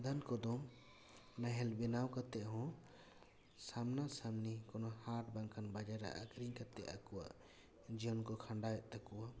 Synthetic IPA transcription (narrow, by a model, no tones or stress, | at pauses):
d̪ʱankɔd̪ɔm | naɦɛlbɛnawkat̪ɛʔɦɔ̃ | samnasamnikɔnɔhaʈ̚baŋkʰanbad͡ʒaɾa̰ʔakɾiŋkat̪ɛ̰ʔakuwa̰ʔ | d͡ʒijɔnkɔkʰaɳɖajɛʔt̪akuwa